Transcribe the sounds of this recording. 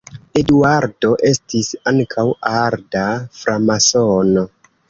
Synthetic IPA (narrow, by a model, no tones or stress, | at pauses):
e̞duaɾdo̞ʔe̞stisaŋkʰawaɾdafɾamasono̞